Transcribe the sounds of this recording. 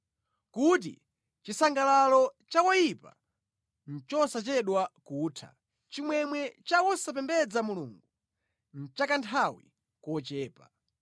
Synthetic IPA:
kut̬ḭ | t͡ʃisaŋɡalalɔt͡ʃawɔjipa̰ | n̩t͡ʃɔsat͡ʃɛɗwakuːtʰa̰ | t͡ʃimwɛmwɛt͡ʃawɔsap̬ɛmbɛd͡zamuluːŋɡu | n̩t͡ʃakantʰawḭ | kɔt͡ʃɛːpa

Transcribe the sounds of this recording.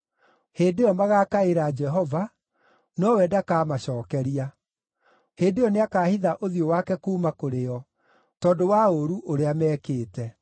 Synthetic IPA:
heːdeɔmaɣaːkaeɾad͡ʒɛɦɔva | nɔwɛdakaːmaɕɔːkɛɾia | heːndeɔneakaːhiðaʔoðiowakɛkuːmakoɾeɔ | tɔːdowaoɾuʔoɾeamɛːkeːtɛ

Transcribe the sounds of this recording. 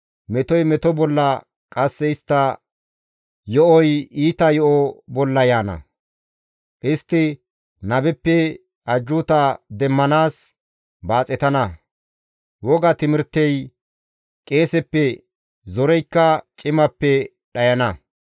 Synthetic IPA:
mɛt̪ɔjmɛt̪ɔbɔlːɐ | kʼɐsːɛɪst̪ːɐ | jɔʔɔjiːt̪ɐjɔʔɔbɔlːɐjaːnɐ̰ | ʔɪst̪ːɪ | nɐbɛpːɛ | ʔɐd͡ʒːʊt̪ɐd̪ɛmːɐnaːs | baːt͡sʼɛt̪ɐnɐ | wɔɡɐt̪ɪmɪɾt̪ːɛj | kʼeːsɛpːɛ | zɔɾɛjkːɐt͡ʃʼɪmɐpːɛ | ɗɐjɐnɐ

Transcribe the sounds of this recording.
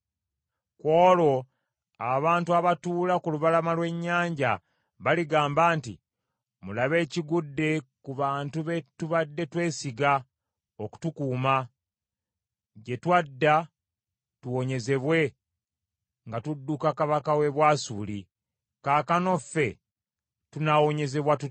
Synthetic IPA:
ko̞ːlo̞ | aβaːntuaβatuːlakuluβalamalwe̞ɲːaːɲɟa | βaliɡaːmbaːntḭ | mulaβe̞ːciɡudːe̞kuβaːntuβe̞tuβadːe̞twe̞ːsiɡa | oku̥tukuːma | ɟe̞twadːa | tuwo̞ɲe̞ze̞βwe̞ | ŋɡatudːukakaβakawe̞βwaːsuːli | kaːkano̞fːe̞ | tunawo̞ɲe̞ze̞βwatu

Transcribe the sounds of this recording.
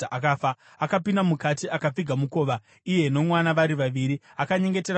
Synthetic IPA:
ʔakaːfa | akapindamukatiʔakap͡fiɡʱamuko̞ːʋa | ije̞no̞mwanaʋaɾiʋaʋiɾiakaɲe̞ŋɡeteɾa

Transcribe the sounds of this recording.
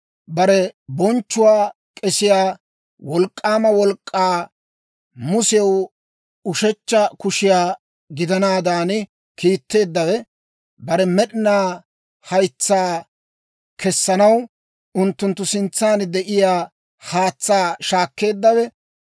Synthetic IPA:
bɐɾɛbɔnt͡ʃːʊwaː | kʼɛsɪjaː | wɔlkʼːaːmɐwɔlkʼːaː | mʊsɛw | ʊʃɛt͡ʃːɐkʊʃɪjaː | ɡɪd̪ɐnaːd̪aːn | kʰiːt̪ːe̞ːd̪ːɐwɛ | bɐɾɛmɛɗɪnaː | hɐjt͡sːaː | kɛsːɐnɐw | ʔʊnt̪ːʊnt̪ːʊsɪnt͡sːaːnd̪ɛʔɪjaː | haːt͡sːaːʃaːkːe̞ːd̪ːɐwɛ

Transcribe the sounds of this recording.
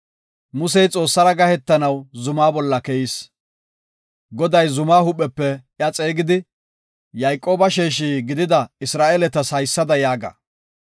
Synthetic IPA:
mʊs̬ɛjt͡sʼo̞ːsːɐɾɐɡɐhɛt̪ːɐnɐwzʊmaːbɔlːɐkɛjiːs | ɡɔd̪ɐjzʊmaːhʊpʼːɛpːɛʔjɐt͡sʼeːɡɪd̪ɪ | jɐjkʼːo̞ːbɐʃeːʃ̬iːɡɪd̪ɪd̪ɐɪsɾaːʔeːlɛt̪ɐsɐjsːɐd̪ɐjaːɡɐ̰

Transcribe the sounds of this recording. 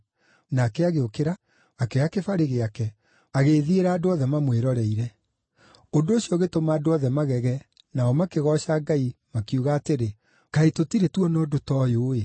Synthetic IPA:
nakɛaɣeokeɾaː | kɛakefaɾeɣeakɛ | aɣeːðieɾaːdoɔðɛmamweɾɔɾɛiɾɛ | ondoːɕiɔɣetomaːdoɔðɛmaɣɛɣɛ | naɔmakeɣɔʃaːɡaimakiuɣaːteɾe | kaetotiɾetwɔnɔːdotɔːjoːe

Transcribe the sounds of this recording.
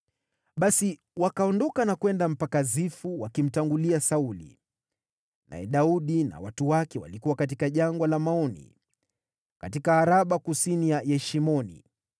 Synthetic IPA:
ɓasi | wakaɔndɔkanakwɛndam̩pakazifuwakim̩taŋɡuliasaulḭ | nʔa̰jɛ̰ɗauɗina̰watuwakɛwa̰likuwakatikaʄaŋɡwalamaɔnḭ | katikaːɾaɓakusinijajɛʃimɔnḭ

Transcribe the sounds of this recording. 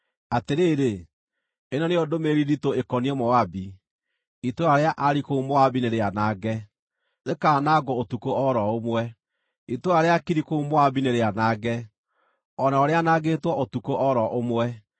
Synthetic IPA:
ateɾeːɾe | enɔneodomeɾiɾitoekɔniɛmɔabi | itoaɾeaʔaɾikoumoabineɾeanaːɡɛ | nekaːnaːɡɔotukoɔɾɔomwɛ | itoaɾeakiɾikoumoabineɾeanaːɡɛ | ɔnaɔɾeanaɡeːtwɔʔotukoʔɔɾɔʔomwɛ

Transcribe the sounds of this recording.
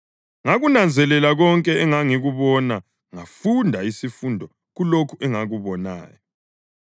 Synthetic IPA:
ŋaɣunand͡zʱɛlɛlaɣɔŋkʼɛɛŋaŋiɣuβɔna | ŋafundʱaisifundʱɔ | ɣulokʰuʔɛŋaɣuβɔna̰ːjɔ

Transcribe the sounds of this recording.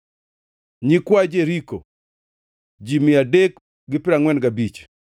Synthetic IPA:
ɲikwad͡ʒeɾiko | d͡ʒimɪadek | ɡɪpɪɾaŋwɛnɡabit͡ʃ

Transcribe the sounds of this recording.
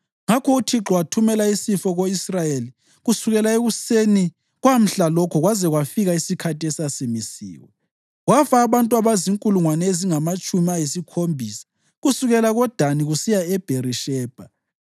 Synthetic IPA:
ŋakʰɔutʰiǁɔwatʰumɛlaisifɔɣoisrajeli | ɣusuɣɛlaeɣuseni | ɣwam̩ɬalɔkʰɔɣwazɛɣwafiɣaisikʰatiɛsasimisḭːwɔ̰ | ɣwafaːβantʼuaβaziŋkʼuluŋwanɛeziŋamat͡ʃʼumiajesikʰombʱiːsḁ | ɣusuɣɛlaɣɔd̥ʱaniɣusijaɛb̥ʱeriʃɛːb̥ʱa

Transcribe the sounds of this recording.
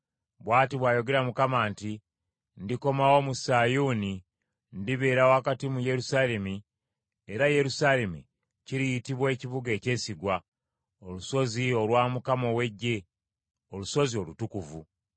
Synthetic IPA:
βwaːtiβwaːjo̞ɡe̞ɾamukamaːnti | ndiko̞mawo̞ːmusaːjuːni | ndiβe̞ːɾawaːkatimuje̞ɾusaːle̞mi | e̞ɾaje̞ɾusaːle̞mṵ | ciɾijitiβwe̞ːciβuɡe̞ːce̞ːsiɡwa | o̞luso̞zio̞lwaːmukamo̞we̞ɟːe̞ | oluso̞zio̞lutukuvu

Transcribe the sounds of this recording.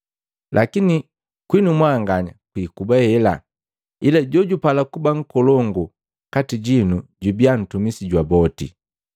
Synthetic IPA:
lʔakini | kwinumwaŋɡaɲa̰kwikubahɛla̰ | ilaɟɔɟupalakubaŋ̩kɔlɔŋɡu | katiɟinuɟubian̩tumisiɟwabɔtḭ

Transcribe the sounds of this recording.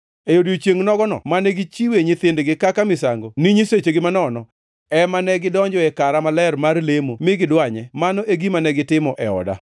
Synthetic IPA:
ejodijot͡ʃjeŋnɔɡɔnɔ̰manɛɡit͡ʃiweɲɪt̪ɪndɡɪkakamɪsaŋɡoniɲiset͡ʃeɡɪmanɔnɔ | ɛmanɛɡɪdɔɲd͡ʒɔɛkaɾamalɛrmarlemomɪɡɪdwaɲɛmanɔʔeɡimanɛɡɪtɪmɔʔɛɔ̰da̰

